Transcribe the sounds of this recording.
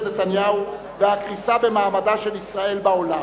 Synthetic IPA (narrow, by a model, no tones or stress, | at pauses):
net̪anjahu | vehakʁisabe̞maːmadaʃelisʁae̞lbao̞la